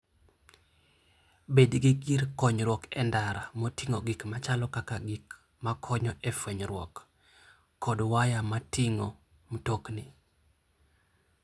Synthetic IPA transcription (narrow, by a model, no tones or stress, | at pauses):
bedɡiɡiɾkɔɲɾwɔkɛndaɾamotiŋoɡikmat͡ʃalɔkakaɡik | makʰɔɲɔʔɛfweɲɾwɔ̰kː | ɔdwajamatʰɪŋo | mtoknɪ